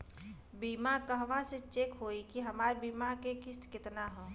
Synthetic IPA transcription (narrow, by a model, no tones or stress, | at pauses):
biːmakəɦʋãset͡ʃekɦoːikiɦɐmaːɾbiːmakekɪst̪kɪt̪naɦɛː